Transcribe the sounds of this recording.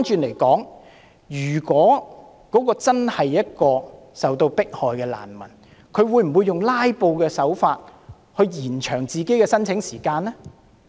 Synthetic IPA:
nt͡ʃyː˧nle˨˩jkɔː˨˥ŋ | jyː˨˩kɔː˨˥ | kɔː˨˥kɔː˧t͡sɐ˥nhɐ˨jːɐ˥t̚kɔː˧ | sɐ˨wt̪o˧wpɪ˥k̚hɔː˨jkɛː˧la̰ː˨˩nmɐ̰˨˩n | kʰɵ˨˧ɥwuː˨˧jm̩˨˩wuː˨˧jːʊ˨ŋlaː˥jpo˧wkɛː˧sɐ˨˥wfaː˧t̚ | hɵ˧ɥjiː˨˩nt͡ʃʰœː˨˩ŋt͡siː˨ke˨˥jkɛː˧sɐ˥nt͡sʰɪ˨˥ŋsiː˨˩kaː˧nlɛ˥

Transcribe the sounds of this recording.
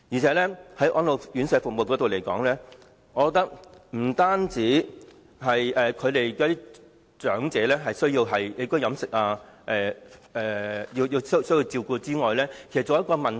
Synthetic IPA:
jiː˨˩t͡sʰɛː˨˥lɛː˥hɐ˨˥jʔɔ̰ː˨˧nlo˨wjyː˨˥nsɛː˨˧fʊ˨k̚mo˨wkɔː˨˥t̪o˨wle˨˩jkɔ̰ː˨˥ŋlɛː˥ | ɔː˨˧kɔ˧t̪ɐ˥k̚m̩˨˩t̪aː˥nt͡siː˨˥ | ɦɐ˨jɛː˨kʰɵ˨˧ɥt̪e˨jkːt̪iː˥ | t͡ʃœː˨˥ŋt͡sɛː˨˥lɛː˥ɦɐ˨jsɵ˥ɥjiː˧wɦɐ˨je˨˧˥kɔː˥jɐ˨˥msɪ˨k̚aː˧ʔɛː˨˩ɛː˨ji˧wjiː˨˧wssɵ˥jiː˧wt͡siː˧wkuː˧t͡siː˥ŋɔː˨jlɛː˥kʰe˨˩st͡soː˨˧˦jɐ˥tkɔː˧mɐ˨n

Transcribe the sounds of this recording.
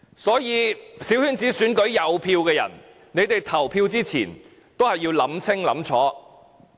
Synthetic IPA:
sɔː˨˥jiː˨˧siː˨˥whyː˥nt͡siː˨˥syː˨˥nkɵ˨˥ɥjɐ˨˧wpʰiː˧wkɛː˧jɐ̰˨˩n | ne˨˧jt̪e˨jt̪ʰɐ˨˩wpʰiː˧wt͡siː˥t͡sʰḭː˨˩n | t̪o˥whɐ˨jːiː˧wlɐ˨˥mt͡sʰɪ˥ŋlɐ̰˨˥mt͡sʰɔ̰ː˨˥

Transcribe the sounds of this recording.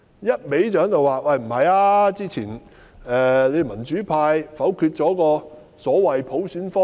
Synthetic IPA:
jɐ˥t̚me˨˥jt͡ʃœː˨˥ŋt̪o˨waː˨wɐ˧jm̩˨˩hɐ˨jaː˧t͡siː˥t͡sʰiː˨˩n | ɛː˨le˨˧jmɐ˨˩nt͡ʃyː˨˥pʰaː˧jfɐ˨˥wkʰyː˧t̚t͡ʃɔː˨˥kɔː˧ | sɔː˨˥wɐ˨jpʰo˨˥wsyː˨˥nfɔː˥

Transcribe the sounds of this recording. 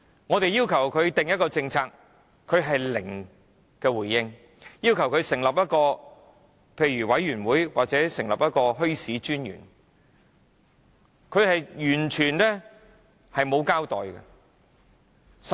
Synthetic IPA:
ŋɔː˨˧t̪e˨˧jiː˥wkʰɐ˨˩wkʰɵ˨˧ɥt̪ɪ˨ŋjɐ˥t̚kɔː˧t͡sɪ˧ŋt͡sʰaː˧kʰː | ɵ˨˧ɥɦɐ˨jlɪ˨˩ŋ | kɛː˧wuː˨˩jːɪ˥ŋ | jiː˥wkʰɐ˨˩wkʰɵ˧ɥsɪ˨˩ŋlɐ˨p̚jɐ˥t̚kɔː˧ | pʰe˧jɥyː˨˩wɐ˨˥jɥyː˨˩nwuː˨˥jwa̰ː˨k̚t͡sɛː˨˥sɪ˨˩ŋlɐ˨p̚jɐ˥t̚kɔː˧ɦɵ˥ɥsiː˨˥t͡ʃyː˥njy̰˨˩n | kʰɵ˨˧ɥhɐ˨jjyː˨˩nt͡ʃʰyː˨˩nnɛː˥ | hɐ˨jmo˨˧wkaː˥wt̪ɔː˨jkɐ̰˧ | s

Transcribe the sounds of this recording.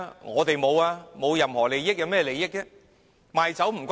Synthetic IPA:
ŋɔː˨˧t̪e˨jmo˨˧waː˧mo˨˧wjɐ˨mhɔː˨˩le˨jːɪ˥k̚jaɐ˨˧wmɛː˥˧le˨˧jɪ˥k̚ːɛ˧˥ | maː˨jt͡sɐ˨˥wm̩˨˩kʷa

